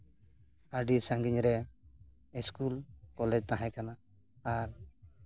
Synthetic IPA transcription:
aɖisaŋɡiɲɾɛ | iskulkɔlɛd͡ʒt̪aɦãkanaː | ɾ

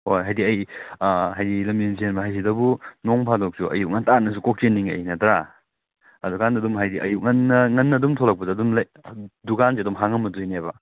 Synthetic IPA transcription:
hojɦajdiɐj | ɦajdilɐmenz̬ienbɐɦajs̬idɐbunoŋpʰadok̚sʰuʔɐ̰juk̚ŋɐntanːɐs̬ukok̚t͡ʃenːiŋɐ̰jnɐtɾa | ɐdukandɐdumɦajdiʔɐ̰juk̚ŋɐnːɐŋɐnːɐdumtʰolɐk̚pɐdɐːdumlɐjdukansiɐdumɦaŋɐmɐdujnebɐ

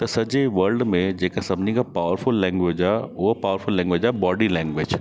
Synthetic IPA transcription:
t̪ɐsɐd͡ʑeʋɐɾlɖmẽd͡ʑeːkasɐmniɡapaːʋəɾfʊlːɛ̃ːŋɡʋed͡ʑaʊpaːəɾfʊlːɛ̃ːŋɡʋed͡ʒabɔːɖilɛ̃ːŋɡʋɪd͡ʒ

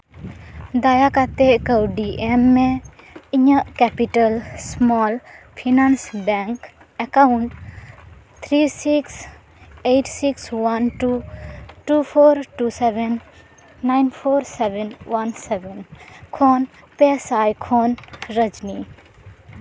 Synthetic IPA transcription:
d̪ajakat̪ekəwɖiʔemːẽ | iɲəkɛpiʈəlsmɔːlpʰinansbɛŋk | ekauɳʈ | t̪ʰɾisiks | ejʈsikswɐnʈuʈupʰoːɾʈuːseʋenː | ajnpʰoːɾseʋenwɐnseʋenkʰoːn | pesaːjkʰoːnɾəd͡ʒni

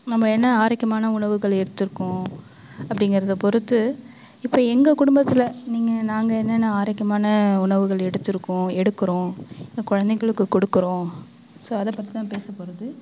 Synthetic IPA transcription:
nɐmːɐɛnːɐaːɾɐɪkːɐmaːnɐʊɳɐʋɯɣɐɭɛɽɯt̪ːɯɾɯkːʊ̃ | ɐpːɐɽɪŋɡɪɾɐðɐpɔɾɯt̪ːɯ | ɪpːoːɛŋɡɐkʊɽʊmbɐt̪ːɪlɐniːŋɡɐnaːŋɡɐɛnːɐnːɐaːɾɐkːɐmaːnɐʊɳɐʋɯɣɐɭɛɽɯt̪ːɯɾɯkːʊ̃ɛɽɯkːɯɾõːɪŋɡɐkʊɻɐnd̪ɛɪɣɐɭɯkːɯkɔɽɯkːɯɾõː | soːɐðɐpːɐt̪ːit̪ãːpeːsɐpoːɾɐðɯ

